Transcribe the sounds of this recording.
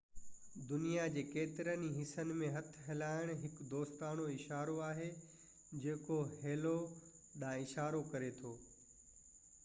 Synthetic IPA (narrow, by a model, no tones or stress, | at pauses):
d̪ʊnijad͡ʑeːkeːt̪ɪɾəniɦɪsənɪ̆mẽɦɐt̪ʰɦeːlaːɪɽ̃ɦɪkd̪oːst̪aːnoɪʃaːɾoaːɦe | d͡ʑeːkoɦeːlo | ɗãːɪʃaːɾokɐɾet̪ʰoː